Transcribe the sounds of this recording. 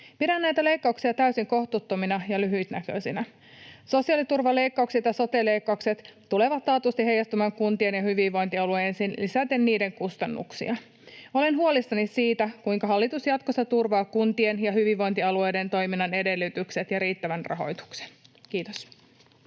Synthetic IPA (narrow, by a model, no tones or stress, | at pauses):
pidænːæjt̪æle̞jkːɑuksiɑt̪æysiŋko̞ht̪ut̪ːominɑjɑlyɦyjt̪nækø̰sinæ | so̞siɑlit̪urʋɑle̞jkːɑukset̪jɑso̞t̪ele̞jkːɑukse̞t̪t̪ːule̞ʋɑt̪ːɑːt̪ust̪ihɦe̞jɑst̪ymɑŋkunt̪ie̞njɑhyʋiʋʋo̞jnt̪iɑluensinlisæt̪enːiːde̞ŋkust̪ɑnːṵksḭɑ | o̞le̞nɦuolist̪ɑnit̪siːt̪ækuiŋkɑɦɑlːit̪usjɑt̪kost̪ːɑt̪urʋɑːkunt̪ienjɑhyʋiʋːo̞jnt̪iɑlue̞jde̞nt̪o̞jminːɑne̞de̞lːyt̪ykse̞t̪jɑɾiːt̪ːæʋænrɑ̰ɦo̞̰jt̪u̥kse̥nk̟iːt̪os